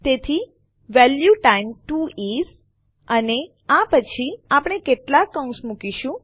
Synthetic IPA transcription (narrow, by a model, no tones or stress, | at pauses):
t̪et̪ʰi | ʋɛljuʈaimʈuiz | əne | apət͡ʃʰiapɳ̃ekeʈlakə̃ũsmukiʃũ